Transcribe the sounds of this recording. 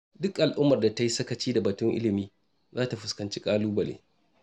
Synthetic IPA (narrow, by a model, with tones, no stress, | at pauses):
dʊ˦kʔa˨lʔʊ˦mːɐ˨rda˨tɐ˦ji˦sɐ˦kɐ˨t͡ʃiː˦da˨bɐ˨tʊ˦ŋʔɪ̰˦lɪ˨miː˦ | zaː˦ta˨ɸʊ˦skɐ˨nt͡ʃi˦kʼaː˦luː˦bɐ˨lḛː˦